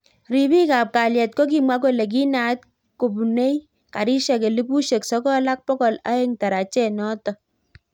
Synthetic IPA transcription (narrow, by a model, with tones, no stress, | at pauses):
ɾi˨bi˦ka˨p̚ka˨ljɛ˨t̚kɔ˦k̬i˨mwa˦k̬o˦˨le˨k̬i˦na˨˦t̚ | ko˨bu˨ne˦j | ka˨ɾi˦ʃɛ˨ke˨li˦bu˦ʃe˨ksɔ˦kɔ˦la˦k̚pɔ˦kɔ˨la̰˦e˦ŋta˨ɾa˨t͡ʃɛ˦nɔ˦tɔ˨